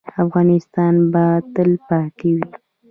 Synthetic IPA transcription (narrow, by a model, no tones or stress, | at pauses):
afɣɑnɪst̪ɑnbat̪əlpɑt̪iwi